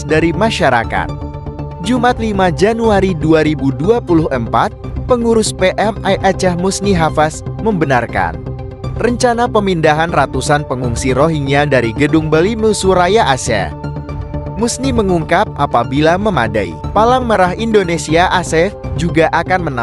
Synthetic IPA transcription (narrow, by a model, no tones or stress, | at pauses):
daɾimaʃaɾa̰ka̰t̪̚ | d͡ʒumʔat̪̚limad͡ʒanuaɾiduaɾibuduapulʊhəmpat̪̚pəŋuɾʊspeʔɛmajʔat͡ʃɛhmusniɦafasməmbənarka̰n | rəɲt͡ʃanapəmindaɦanrat̪usanpəŋuŋsiɾoɦiŋiadaɾiɡədʊŋbaliməsuɾajaʔasɛ̰ | musniməŋuŋkap̚ʔapabilaməmada̰ḭpalaŋməɾaɦindonesiaʔasɛfd͡ʒuɡaʔakanməna